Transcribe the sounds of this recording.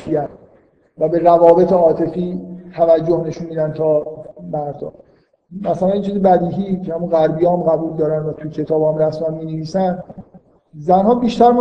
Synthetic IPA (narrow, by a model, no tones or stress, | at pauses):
ijæn | væbe̞ɾævɒːbe̞t̪ʰeɒːt̪ʰe̞fiːt̪ʰævæd͡ʒːohne̞ʃunmiːd̪ænt̪ʰɒːmæɾd̪ɒ̰ː | mæsælænit͡ʃʰiːzibæd̪iːɦiːcʰehæmuɣæɾbijɒːmɣæbuːld̪ɒːɾænd̪væt̪ʰujcʰe̞t̪ʰɒːbhæmræsmænmiːneviːsæn | zænhɒːbiːʃt̪æɾm